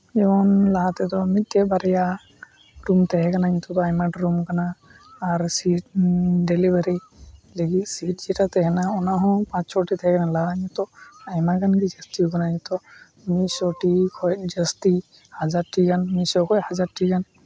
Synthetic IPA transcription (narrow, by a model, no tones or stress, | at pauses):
ɛbɔnlaɦat̪ɛt̪ɔmit̪̚ːɛbaɾɛja | ɾumt̪ɛɦɛkanaɲit̪ɔt̪ɔajmaɖɾumkanaː | ɾsiʈ̚ɖelibaɾi | leɡit̪̚sit̚d͡ʒiʈat̪ɛɦɛnaɔnaɦɔ̃pãt͡ʃsɔʈit̪ʰɛɦɛkanalaɦaɲɔt̪ɔajmakanɡid͡ʒəst̪iukanaɲĩt̪ɔ | misɔʈikʰɔj̚d͡ʒəst̪i | had͡ʒaɾʈikanmisɔkʰɔjhad͡ʒaɾʈikan